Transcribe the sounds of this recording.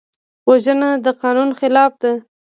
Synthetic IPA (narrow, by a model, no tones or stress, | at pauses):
waʒənad̪əqɑnunxɪlɑfd̪e